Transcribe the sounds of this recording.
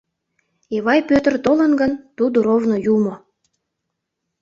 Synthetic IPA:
eβɑjpøt̪ərt̪olənɡənt̪ud̪uɾovnojumo

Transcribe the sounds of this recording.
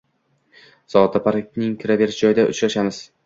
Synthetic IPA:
z̥ɒt̪ʰapʰaɾak̚ʲnɪŋkʲʰɪɾave̞ɾɪʃd͡ʒɒjɪd̪aʔʊ̰t͡ʃɾaʃamɪz̥

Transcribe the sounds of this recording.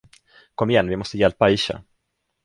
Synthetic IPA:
kʰɔmːɪjɛnvɪmɔst̪əjɛlpaɪʃa̰

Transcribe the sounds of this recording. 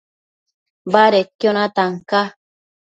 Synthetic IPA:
baɾekjonat̪aŋka

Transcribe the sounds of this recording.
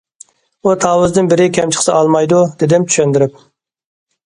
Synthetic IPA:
ut̪ʰɑːwɨzd̪ɨnbɪɾɪkʲʰɛmt͡ʃʰə̥χsɨɑlˠmɑjd̪ud̪ɪd̪ɪmt͡ʃ̪ʰy̥ʃɛnd̪ɪɾɪp̚

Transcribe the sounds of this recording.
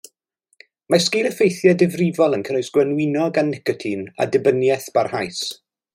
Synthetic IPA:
maskɪlˠəfejθjadɪvrɪvɔlˠənkʰənojsɡ̥wənwɪnɔɡanːɪkɔtʰina̰dɪbənjɛθb̥arhajs

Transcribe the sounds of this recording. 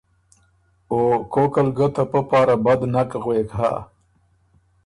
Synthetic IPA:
okokəlɡət̪ʰapəpɑːɾabad̪nakɣweːkɦa̰

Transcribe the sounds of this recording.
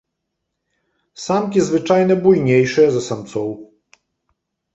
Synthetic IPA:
samkʲɛzvɘt͡ʂajnɛbujɲejʂɛzɛsamt̪sɔw

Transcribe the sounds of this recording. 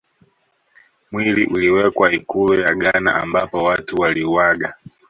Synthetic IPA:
mwiliʔuliwɛkwaikulujaɠana̰ʔambapɔwatuwaliwaɠa

